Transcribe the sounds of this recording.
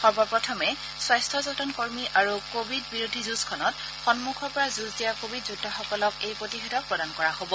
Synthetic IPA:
xɔɹbɔɹpɹɔtʰɔmɛ | swajstʰɔzɔtɔnkoɹmiʔaɹukobʱidbiɹodʱizuskʰɔnɔt | xɔnmukʰɔɹpɔɹazuzdijakobʱidzudʱːɔxɔkɔlɔkejpɹotixɔdɔk̚pɹɔdankɔɹaɦobɔ

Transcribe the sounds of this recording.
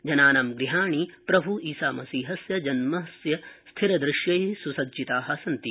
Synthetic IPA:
d͡ʒɐnaːnɐmɡɾiɦaːɳipɾɐbʱuiːsaːmɐsiːɦɐsjɐd͡ʒɐnmɐsjɐst̪ʰiɾɐd̪ɾɪʃjɐjisusɐɡd͡ʒit̪aːɦɐsɐnt̪i

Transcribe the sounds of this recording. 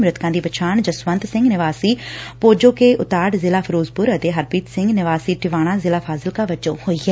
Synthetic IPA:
mɾɪt̪kãːd̪iːbət͡ʃʰaːɳd͡ʒəsʋə̃nt̪sɪ̃ŋɡnɪʋaːsiːpoːd͡ʒõːkeːʔʊt̪aːɖzɪlaːpʰəɾoːzpʊɾət̪eːɦəɾpiːt̪sɪ̃ŋɡnɪʋaːsiːʈɪʋaːɽ̃ãːzɪlaːpʰaːzɪlkaːʋəd͡ʒõːhoːiːɦɛː

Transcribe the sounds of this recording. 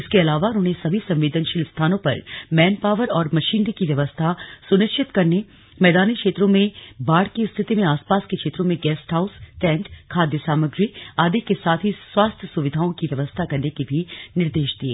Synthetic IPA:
ɪskeɐlaːʋaʊn̤ɦõːɦesɐbʱisɐ̃mʋeːd̪ənʃɪlst̪ʰaːnõpɐ̰ɾmɛːnpaːʋəɾɔːɾmɐʃiːnkiʋjɐʋəst̪ʰasʊnɪkʃʰɪt̪kɐɾne | mɛːd̪aːnikʃeːt̪ɾõmẽbaːɽkest̪ʰɪt̪imẽaːspaːskekʃeːt̪ɾõmẽɡɛːsʈɦaːʊsʈɛ̃ːnʈkʰaːd̪jəsaːməɡɾiaːd̪ekesaːt̪ʰɦiswaːst̪ʰjəsʊʋɪd̪ʱaːõkiʋjɐʋəst̪ʰakɐɾnekebʱinɪɾd̪eːʃd̪iḛː

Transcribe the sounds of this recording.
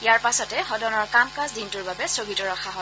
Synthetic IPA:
ijaɹpasɔtɛxɔdɔnɔɹkamkazdintʊɹbabɛsɹoɡitɔɹɔxʰaɦɔ

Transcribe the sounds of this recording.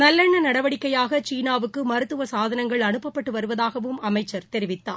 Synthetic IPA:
nɐlːɐɳːɐnɐɽɐʋɐɽɪkːɐjaːɣɐt͡ʃiːnaːʋɯkːɯmɐɾɯt̪ːɯʋɐsaːðɐnɐŋɡɐɭɐɳɯpːɐpːɐʈːɯʋɐɾɯʋɐðaːɣɐʋɯmɐmɐɪt͡ʃːɐɾt̪ɛɾɪʋɪt̪ːa̰ː

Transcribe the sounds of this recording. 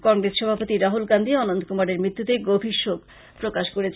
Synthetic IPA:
kɔŋɡɾesʃɔbʱapot̪iɾaɦulɡand̪ʱiɔnond̪ʱkumaɾeɾmɾit̪ːut̪eɡobʱiʃːoɡ | pɾokaʃkoɾet͡ɕʰ

